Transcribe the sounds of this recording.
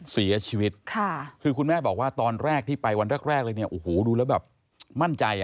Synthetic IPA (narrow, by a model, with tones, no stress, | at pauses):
si˨˩˦ɐ˦t͡ɕʰiː˧wi˦˥t̪̚kʰa˥˩kʰɯː˧kʰu˧nmɛː˥˩bɔː˨˩k̚waː˥˩t̪ɔː˧nɾɛː˥˩k̚t̪ʰiː˥˩pa˧jwa˧nɾaː˥˩k̚ɾɛː˥˩k̚lɤː˧jni˥˩ɐʔoː˨˩hoː˨˩duː˧lɛː˦˥wbɛː˨˩p̚ | ma˥˩nt͡ɕa˧j